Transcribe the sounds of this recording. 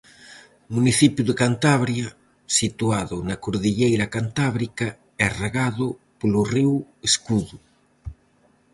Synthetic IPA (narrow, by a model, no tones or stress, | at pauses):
muniθipjuðekant̪aβɾja | sit̪uaðʊnakoɾðiʎejɾakant̪aβɾika | ɛreɣaðʊpolʊriweskuðu